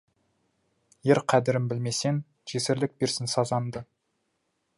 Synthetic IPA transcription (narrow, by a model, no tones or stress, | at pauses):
jeɾqʰæd̪ɪɾɪmbɪlme̞se̞n | ʒ̥esɪɾlɪk̚beɾsɪnsɑzɑnd̪ə